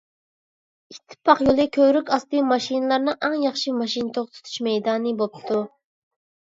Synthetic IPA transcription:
it̪ʰːɪ̥pʰːɑqjolˠɨkʲʰøɾykʲɑst̪ɨmɑʃinɨlˠɑɾnɨʔæŋjɑχʃimɑʃint̪ʰoʁt̪ʰy̥t̪ʰy̥ʃmɛjd̪ɑːnɨbop̚t̪ʰu

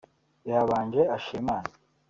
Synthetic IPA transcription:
aβaːnd͡ʒeaʃimaːna

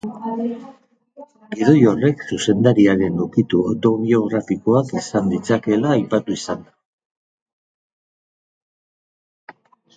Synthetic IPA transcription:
ɡiðo̞jo̞re̞ksuse̞nd̪aɾiaɾe̞nukit̪uot̪o̞βio̞ɣ̞ɾafiko̞akisand̪it͡sake̞laːjpat̪uisand̪a

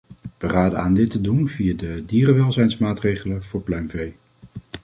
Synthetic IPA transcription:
ʋəraːdəaːndɪtədunv̥ijaːdədiːrəʋɛlˠzɛjnsmaːtrejχələv̥ʊːɹplœɥmvej

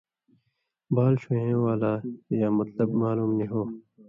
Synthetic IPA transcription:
baːlɕuɦẽːwaːlaːjaːmɐt̪ləbmaːluːmniɦoː

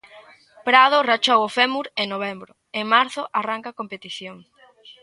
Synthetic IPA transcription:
pɾað̞ʊrat͡ʃowofɛmuɾeŋnoβɛmbɾʊ | eŋmaɾθʊʔaraŋkakompet̪iθjoŋ

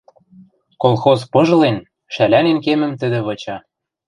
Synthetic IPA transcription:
kolˠxozpɤ̆ʒlen | ʃælænenkemə̆mt̪ə̆d̪ĕβɤ̆t͡ɕɑ

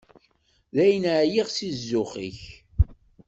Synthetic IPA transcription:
ðæjnʕjiʁsizːʊχḭç

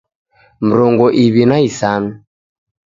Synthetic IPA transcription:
m̩ɾɔŋɡɔʔiβinaisanu

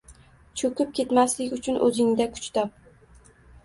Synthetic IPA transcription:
t͡ʃʰɵkʲʊp̚kʲʰe̞t̪maslɪkʲʊt͡ʃʰʊnʔɵ̰zɪŋd̪akʰʊ̥t͡ʃt̪ʰɒp̚

